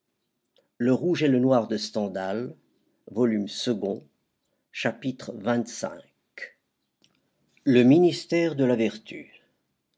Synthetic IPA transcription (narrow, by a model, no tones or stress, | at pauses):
ləʁuʒelənwaʁd̪əst̪ɑ̃d̪al | vɔlymsəɡɔ̃ | ʃapit̪χvɛ̃t̪sɛ̰̃k | ləminist̪ɛʁd̪əlavɛʁt̪y̰